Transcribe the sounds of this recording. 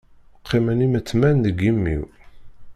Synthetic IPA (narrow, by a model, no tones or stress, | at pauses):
qʰːimənimət͡sːmænðəɡimːḭw